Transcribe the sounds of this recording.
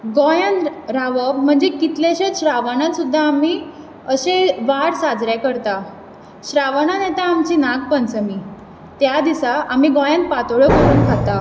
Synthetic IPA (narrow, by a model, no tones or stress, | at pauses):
ɡɔjanɾaʋəbm̤əɳd͡ʑekit̪leɕet̪ɕɾaʋaɳat̪sud̪ʱːaːmiː | əɕeʋaɽsad͡zɾjakəɾt̪a | ɕɾaʋaɳanɛt̪aːmt͡ɕiːnaɡpənt͡səmiː | t̪jad̪isaamiːɡɔjanpat̪oɭəkəɾuːnkʰat̪a